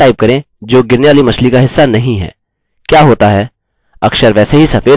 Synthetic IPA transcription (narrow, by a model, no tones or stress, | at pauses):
aːɪb̚kɐɾẽ | d͡ʒoːɡɪɾneʋaːlimɐslikaɦɪsːanɐɦĩɦɛ̰ː | kjaːɦoːt̪aɦɛː | ɐkʃəɾʋɛːseɦisɐfeː